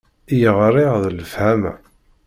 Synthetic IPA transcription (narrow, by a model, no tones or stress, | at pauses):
jəʁɾˤiʁðələfhæmæ̰